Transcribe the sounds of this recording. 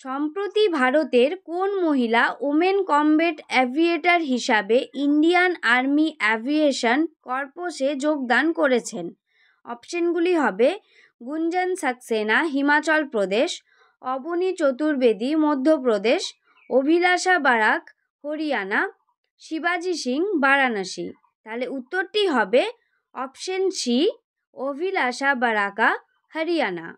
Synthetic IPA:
ʃɔmpɾot̪ibʱaɾot̪eɾkonmoɦilaʔumenkɔmbeʈɛbʱieʈaɾɦiʃabeʔiɳɖianaɾmiʔɛbʱieʃankɔɾpoʃed͡ʑoɡ̚d̪ankoɾet͡ɕʰen | ɔpʃonɡuliɦɔbe | ɡund͡ʑansaksenaɦimat͡ɕɔlpɾod̪eʃ | ɔbonit͡ɕot̪uɾbed̪imod̪ʱːop̬ɾod̪eʃ | obʱilaʃabaɾak | hoɾijana | ʃibad͡ʑiʃiŋbaɾanəʃḭ | t̪aleut̪ːoɾʈiɦɔbe | ɔpʃənʃi | obʱilaʃabaɾaka | həɾijana̰

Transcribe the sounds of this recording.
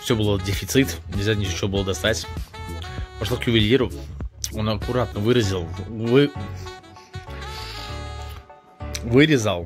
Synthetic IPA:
fsʲɵbɨlˠədʲɪfʲɪt̪sɨt̪nʲɪlʲzʲanʲɪot͡ɕːɪvobɨlˠəd̪ɐst̪atʲ | pɐʂlokjʊbʲɪlʲiɾʊo̞nɐkʊɾat̪nəvɨɾəzʲɪlˠvɨ | vɨɾʲɪzalˠ

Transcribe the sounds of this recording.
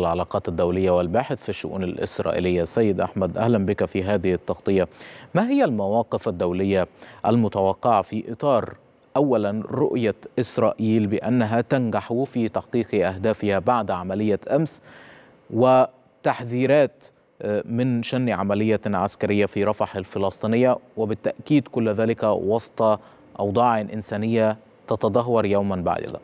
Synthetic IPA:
lʕalɑːqɑːt̪ɪd̪ːawlɪjːawɪlbaːħɪθfiʃːʊ̰ʔṵːnɪlʔɪ̰sɾˤɑ̰ːʔḭlɪjːasːæjːɪd̪ʔa̰ħmad̪ʔæhlænbɪkæfiːɦaːðɪhɪt̪ːɑqt̪ˤɨjːamaːɦɪjːælmawɑːqɪfad̪ːawlɪjːaʔælmʊt̪awɑqːɪʕfiːʔɨt̪ˤɑːɾˤ | ʔawːælanɾʊ̰ʔjaʔɪsɾˤɑːʔiːlbɪʔanːaɦat̪anɡaħfiːt̪ɑħqiːqʔahd̪aːfɪhabaʕd̪ʕamælɪjːaʔams | wɪ | t̪aħðiːɾæːt̪ | mɪnʃænːʕamælɪjːaʕaskæɾɪjːafiːɾˤɑfɑħalfɪlɑsˤt̪ˤiːnɪjːawɪbɪt̪ːaʔkiːd̪kʊlːðæːlɪkæwɑsˤt̪ˤɑ | ʔɑwd̪ˤɑːʕɪnʔɪnsæːnɪjːa | t̪ɑt̪ɑd̪ˤɑɦːɑɾˤjawmanba̰ʕd̪̰a̰

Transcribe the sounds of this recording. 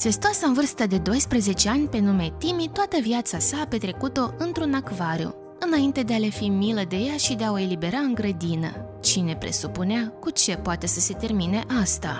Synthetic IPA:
sest̪oasaɨnvɨrst̪əd̪e̞d̪o̞jspɾeze̞t͡ʃe̞anʲpe̞nume̞t̪imit̪oat̪əviat̪sasaːpe̞t̪ɾe̞kut̪o̞ɨnt̪ɾunakvaɾjṵ | ɨnaint̪e̞d̪e̞ale̞fimiləd̪e̞jaʃid̪eao̞e̞libe̞ɾaɨŋɡɾəd̪inə̰ | t͡ʃine̞pɾe̞̰supuneakut͡ʃe̞poat̪e̞səse̞t̪e̞rmine̞ʔast̪a

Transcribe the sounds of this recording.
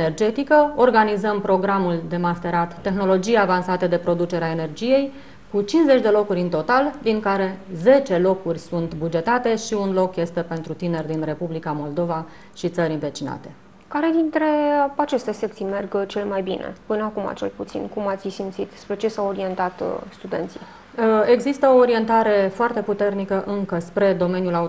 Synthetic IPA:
enerd͡ʒe̞t̪ikəo̞rɡanizəmpɾo̞ɡɾamuld̪e̞mast̪e̞ɾat̪ːe̞xno̞lo̞d͡ʒijavansat̪ed̪e̞pɾo̞d̪ut͡ʃe̞ɾeae̞ne̞rd͡ʒije̞j | kut͡ʃinze̞t͡ʃʲd̪e̞lo̞kuɾʲɨnt̪o̞t̪ald̪iŋkaɾe̞ze̞t͡ʃe̞lo̞kurʲsunt̪bud͡ʒe̞t̪at̪e̞ʃiunlo̞kje̞st̪e̞pe̞nt̪ɾut̪ine̞rʲd̪inre̞publikamo̞ld̪o̞va | ʃit̪səɾʲɨnve̞t͡ʃina̰t̪e̞ | kaɾe̞d̪int̪ɾe̞at͡ʃe̞st̪e̞se̞k̚t̪simerɡt͡ʃelemajbinʔḛpɨnəakuma̰t͡ʃelput̪sḭnkumat̪ssimt̪sit̪spɾe̞t͡ʃe̞sawoɾie̞nt̪at̪st̪ud̪e̞̰nt̪si | əe̞ɡzist̪əo̞ːɾie̞nt̪aɾe̞foart̪e̞put̪e̞rnikəʔɨŋkəspɾe̞d̪o̞me̞nʲjula

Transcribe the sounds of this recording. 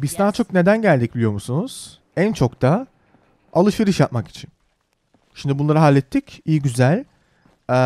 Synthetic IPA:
biznaːt͡ʃʰo̞k̚ne̞d̪ænɟælʲd̪ic̚bilʲijo̞ɾmusunuz̥ | ænt͡ʃʰo̞kt̪ʰa | alˠɯʃiɾɯʃjap̪̚maki̥t͡ʃʰin | ʃimd̪ibunlˠaɾɯɦaːlʲːɛt̪ʰːicijiɟyzælʲ

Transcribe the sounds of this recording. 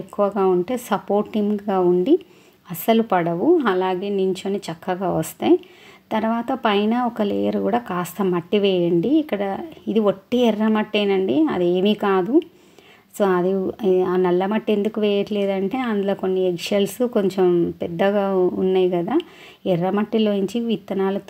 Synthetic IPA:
ekːuʋɐɡaːuɳʈe̞ːsɐpo̞ːɾʈːiŋɡaːuɳɖi | ɐsɐlupɐɽɐʋuɐlaːɡe̞ːniɲt͡ʃoːnit͡ʃɐkːɐɡaːʋɐst̪ɐji | t̪ɐɾʋaːt̪ɐpɐjnɐɔkɐlḛːjɐɾkuːɽaːkaːst̪ɐmɐʈːiʋɛːjɐɳɖiːkːɐɽɐid̪iʋoʈːiɛrːɐmɐʈːeːnɐɳɖiɐ̰d̪eːmiːkaːd̪u | soːɐd̪iaːnɐlːɐmɐʈːe̞nd̪ukuʋɛːjɐʈleːd̪ɐɳʈe̞ːɐnd̪uloːko̞nːiekʂɐlsuko̞ɲt͡ʃempɛd̪ːɐɡaːṵnːaːjiɡɐd̪aː | ɛrːɐmɐʈːilo̞ːiɲt͡ʃiʋit̪ːɐnaːlɐ

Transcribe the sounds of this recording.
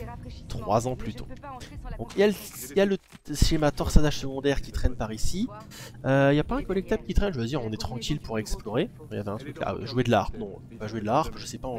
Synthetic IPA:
t̪χwazɑ̃plyt̪o̰d̪ɔ̃kjal | jalə | ʃemat̪ɔʁsad̪aʒsəɡɔ̃d̪ɛʁkʲit̪χɛnpaʁisi | øiljapaɛ̃kɔlɛk̚t̪abkʲit̪χɛnʒəvəd̪iʁɔ̃nɛt̪χɑ̃kʲilpuʁɛksplɔʁekja̰vɛɛ̃t̪χykla̰ʒued̪əla̰ʁpnɔ̃ | paʒued̪laaʁpʒəsɛpaɑ̃

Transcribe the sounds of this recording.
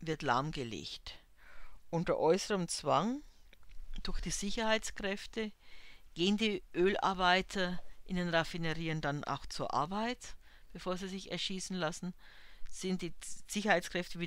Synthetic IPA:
vɪɐtla̰ɐmɡəlḛːçt | ʔʊntɐ̰ʔɔʏsəʁəmt͡sv̥aŋ | d̥ʊɐçd̥iːzɪçɐhaɪt͡skʁ̥ɛftəɡ̥eːəndiːʔøːla̰ɐbaɪtʰɐʔɪndeːnʁafɪnəʁiːəndanʔa̰ʊxt͡suːɐʔa̰ɐbaɪt | b̥efoːɐziːzɪçɛ̰ɐʃiːsn̩lasn̩ | z̥ɪntd̥iːz̥ɪçɐhaɪt͡skʁ̥ɛftəviː

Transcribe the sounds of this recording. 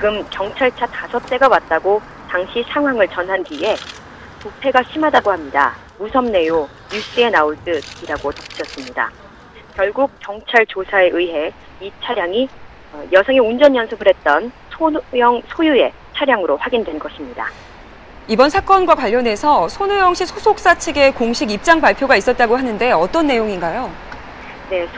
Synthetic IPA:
t͡ɕiɡɯmkjʌŋt͡ɕʰaɭt͡ɕʰatasʰʌp̚t͈e̞ɡawat̚t͈aɡo | taŋɕʰisʰaŋɦwaŋɯɭt͡ɕʌnɦanɡie̞ | topʰe̞ɡaɕʰimɦadaɡohamɲida̰ | musʰʌmne̞jo | ɲus͈ɯe̞naoɭt͈ɯd̚iɾaɡotʌp͈̚ɯ̥t͡ɕʰʌs͈ɯmɲida̰ | kjʌɭɡuk̚k͈jʌŋt͡ɕʰaɭt͡ɕosʰae̞ʔɯiɦe̞ | it͡ɕʰaɾjaŋi | jʌsʰʌŋiund͡ʑʌnʌnsʰɯpɯɾe̞t̚t͈ʌnsʰojʌŋsʰojue̞ | t͡ɕʰaɾjaŋɯɾoɸwaɡindwe̞nɡʌɕʰimɲida̰ | ibʌnsʰak͈ʌnɡwakwaʎːʌne̞sʰʌsʰonujʌŋɕ͈ʰisʰosʰok̚s͈at͡ɕʰeɡe̞koŋɕʰiɡip̚t͡ɕ͈aŋpaɭpʰjoɡais͈ʌt̚t͈aɡoɦanɯnde̞ʌt͈ʌnːe̞joŋinɡajo | ne̞

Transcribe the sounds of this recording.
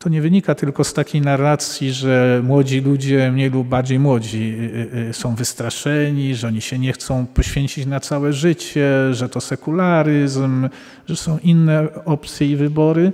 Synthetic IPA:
t̪ɔɲɛvɘɲikat̪ɘlkɔst̪akʲejnarːat̪sʲjiʐɛmwɔd͡ʑilud͡ʑɛmɲejlub̚baɾd͡ʑejmwɔd͡ʑi | sɔ̃w̃vɘst̪ɾaʂɛɲiʐɛɔɲiɕɛɲɛxt̪sɔ̃w̃pɔɕfʲjeɲt͡ɕit͡ɕnat̪sawɛʐɘt͡ɕɛʐɛt̪ɔsɛkulaɾɨzm | ʐɛsɔ̃w̃ʔinːɛɔpt̪sʲjɛivɘbɔɾɘ

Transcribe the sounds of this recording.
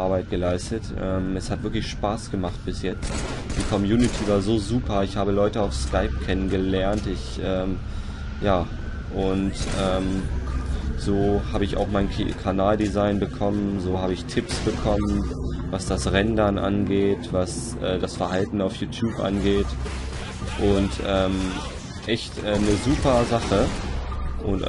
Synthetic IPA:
ʔaɐbaɪt̚ɡ̥əlaɪstətʔɛːmɛshatv̥ɪɐklɪçʃpaːsɡ̥əmaχt̚b̥ɪsjɛt͡st | d̥iːkʰɔmjuːnɪtʰiːvaːɐzoːzuːpɐɪçhaːbəlɔʏtəaʊfskaɪp̚kʰɛnənɡəlɛɐntɪçʔɛːm | jaː | ʔʊntʔɛːm | z̥oːhaːbəɪça̰ʊxmaɪnkʰanaːldizaɪnbəkʰɔmənzoːhaːbəɪçtʰɪpsb̥əkʰɔmənvasd̥asʁɛndɐnʔa̰nɡeːtvasʔɛːdasfɛɐɦaltn̩aʊfjuːtʰjuːpʔa̰nɡeːt | ʔʊntʔɛːm | ʔɛçtʔɛːnəzuːpɐzaχə | ʔʊnt

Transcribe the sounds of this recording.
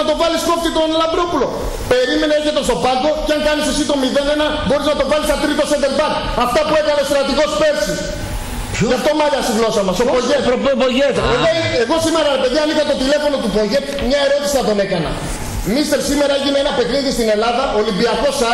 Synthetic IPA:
ɐt̪o̞vɐlispop̚t̪it̪onlɐnd̪ɾopulo̞ | pe̞ɾime̞neeçet̪e̞st̪o̞pɐɡo̞ceɐŋkɐnisesit̪o̞miðenenɐbo̞ɾiznɐt̪o̞vɐlisɐt̪ɾit̪o̞sevelpɐt̪ | ɐft̪ɐpuekɐneost̪ɾɐt̪iɣo̞spe̞ɾsi | ʝɐft̪omɐʎɐst̪iɣlo̞sɐmɐsopoʝepoʝet̪eɣoeɣo̞sime̞ɾɐɾe̞pe̞ðiɐnixɐt̪o̞t̪ile̞fo̞no̞t̪upo̞ʝet̪mɲɐe̞ɾo̞t̪isiɐt̪o̞ne̞kɐnɐ̰ | mist̪e̞ɾsime̞ɾɐeʝinenɐpe̞kɾiðist̪ine̞lɐðɐʔolimbiɐko̞sɐ

